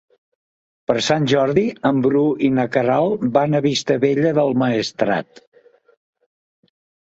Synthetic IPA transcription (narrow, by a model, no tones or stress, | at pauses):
pəɾsanʲʒɔɾðiəmbɾuinəkəɾalˠbanəβist̪əβeʎəðəlˠməəst̪ɾa̰t̪